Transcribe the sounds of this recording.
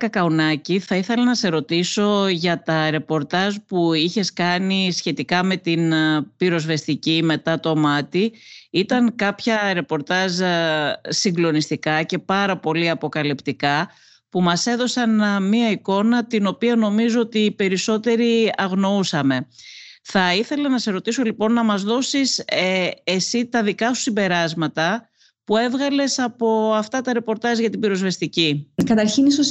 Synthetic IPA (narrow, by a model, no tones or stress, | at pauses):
kɐkɐunɐciθɐiθe̞lɐnɐse̞ɾo̞t̪iso̞ʝɐt̪ɐɾe̞po̞ɾt̪ɐzpuiçe̞skɐnisçe̞t̪ikɐme̞t̪inpiɾo̞zve̞st̪icime̞t̪ɐt̪o̞mɐt̪iit̪ɐŋkɐpçɐɾe̞po̞ɾt̪ɐz | siŋɡlo̞nist̪ikɐce̞pɐɾɐpo̞liɐpo̞kɐlipt̪ikɐ | pumɐse̞ðo̞sɐnmiɐiko̞nɐt̪ino̞piɐno̞mizo̞ot̪ipe̞ɾiso̞t̪e̞ɾiɐɣno̞usɐme̞θɐiθe̞lɐnɐseɾo̞t̪iso̞lipo̞nːɐmɐzðo̞sis | esit̪ɐðikɐsu̥simbe̞ɾɐzmɐt̪ɐ | pue̞vɣɐle̞sɐpo̞ɐft̪ɐt̪ɐɾe̞po̞ɾt̪ɐʒʝɐt̪ibiɾozve̞st̪icikɐt̪ɐɾçinisos